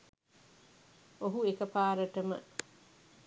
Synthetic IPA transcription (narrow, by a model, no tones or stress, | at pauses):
oɦuekɐpaːɾəʈəmə̰